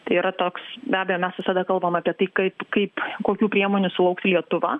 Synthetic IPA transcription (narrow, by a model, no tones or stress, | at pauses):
t̪ɐɪiːɾɐt̪oːksbʲæːbʲɛjoːmʲɛsʋʲɪsɐd̪ɐkɐlˠbɐmɑːpʲiɛt̪ɐɪkɐɪpkɐɪpkoːkʲuːpʲɾʲiɛmoːnʲʊsʊlˠɐʊksʲlʲiɛt̪ʊʋɑ̰ː